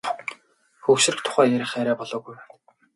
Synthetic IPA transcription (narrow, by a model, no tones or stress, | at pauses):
xɵwʃɪ̆rɘ̆kt̪ʰʊ̥χæːjæɾʲɪ̆χæɾæːpɔɮɔːɣujwæn